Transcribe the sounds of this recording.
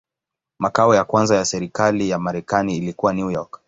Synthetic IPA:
makaɔjakwanzajasɛɾikalijamaɾɛkaniːlikuwaniujɔk

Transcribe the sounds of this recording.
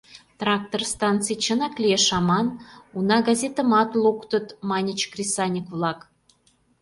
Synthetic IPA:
t̪rɑk̚t̪orst̪ɑnt̪t͡sɨjt͡ɕə̆nɑklʲieʃɑmɑnunɑɡɑzʲet̪ə̆mɑt̪lˠukt̪ə̆t̪mɑnʲit͡ɕkrʲisɑnʲikvlɑk

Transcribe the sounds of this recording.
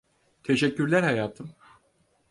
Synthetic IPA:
t̪ʰe̞ʃɛcʰːyɾlʲæɾhajaːt̪ʰɯm

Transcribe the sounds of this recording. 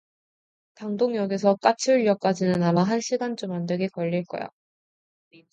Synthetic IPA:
taŋdoŋjʌɡis̬ʰʌk͈at͡ɕʰiʎːʌk͈ad͡ʑinɯnamaɦanɕʰiɡant͡ɕ͈umandweɡe̞kʌʎːiɭk͈ʌ̰ja̰

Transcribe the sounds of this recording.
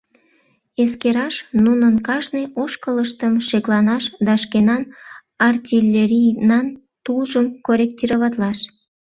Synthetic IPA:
eskeɾɑʃnunənkɑʒnəjoʃkələʃt̪əmʃeklɑnɑʃd̪ɑʃkenɑn | ɑrt̪ʲilʲːeɾʲijnɑn | t̪uʒəmkoɾʲek̚t̪ʲiɾəβɑt̪lɑʃ

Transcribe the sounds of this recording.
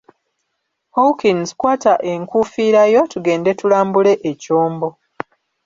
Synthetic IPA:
howkinzkwaːtaʔe̞ŋkuːfiːɾajo̞tuɡe̞ːnde̞tulaːmbule̞ʔecoːmbo̞

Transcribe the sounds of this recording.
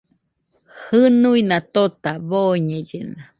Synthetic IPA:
hɨnuinat̪ot̪aβoɲejena

